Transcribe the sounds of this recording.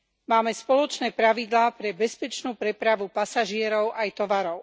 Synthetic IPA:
maːmɛspɔlɔt͡ʃnɛːpɾaʋid̪laːpɾɛbɛspɛt͡ʃnuːpɾɛpɾaʋupasaʒɪɛɾɔʊʔajt̪ɔʋaɾɔʊ

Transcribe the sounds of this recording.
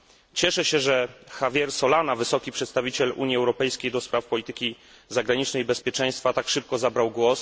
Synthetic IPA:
t͡ɕɛʂɛɕɛʐɛxavʲjɛɾsɔlanavɘsɔkʲipʂɛt̪st̪avʲit͡ɕɛlṵɲiɛwɾɔpɛjskʲejd̪ɔspɾafpɔlʲit̪ɘkʲi | zaɡɾaɲit͡ʂnɛjbɛspʲjɛt͡ʂɛ̃j̃st̪fat̪akʂɘp̚kɔzabɾawɡwɔs

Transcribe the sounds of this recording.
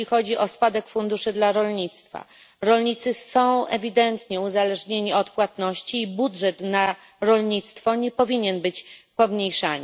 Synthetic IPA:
ixɔd͡ʑiɔspad̪ɛkfund̪uʂɘd̪laɾɔlɲit̪st̪fa̰ | ɾɔlɲit̪sɘsɔ̃w̃ɛvʲid̪ɛnt̪ɲɛuzalɛʐɲeɲiɔt̪pwat̪nɔɕt͡ɕiːbudʐɛt̪na | ɾɔlɲit̪st̪fɔɲɛpɔvʲiɲɛnbɘt͡ɕpɔmɲejʂaɲi

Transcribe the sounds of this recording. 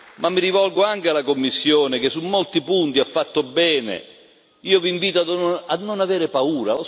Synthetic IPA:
mamːiɾivɔlɡoaŋk̟ealakomːisːjoːnek̟esːumːolt̪ipunt̪iafːat̪ːobɛːnḛ | iːoviɱviːt̪oad̪ad̪nonaveːɾepauːɾao

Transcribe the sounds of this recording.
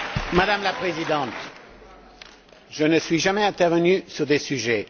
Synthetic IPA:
mad̪amlapχezid̪ɑ̃t̪ | ʒənəsɥiʒamɛɛ̃t̪ɛʁvənysyʁd̪esyʒɛ

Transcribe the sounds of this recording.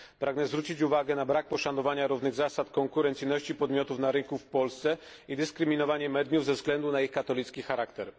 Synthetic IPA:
pɾaɡnɛzvɾut͡ɕit͡ɕuvaɡɛnabɾak̚pɔʂanɔvaɲaɾuvnɘɣzasat̪kɔŋkuɾɛnt̪sɘjnɔɕt͡ɕipɔd̪mʲjɔt̪ufnaɾɘŋkufpɔlst̪sɛid̪ɘskɾɘmʲinɔvaɲɛmɛd̪juvzɛvzɡlɛnd̪unaixkat̪ɔlʲit̪skʲixaɾakt̪ɛɾ

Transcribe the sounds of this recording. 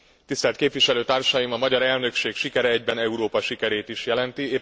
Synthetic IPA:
t̪ist̪ɛlt̪̚keːpʋiʃɛløːt̪aːrʃɒjimɒmɒɟɒɾɛlnø̞kʃeːkʃikɛɾɛɛɟbɛnɛuɾoːpɒʃikɛɾeːt̪iʃjɛlɛnt̪ieː

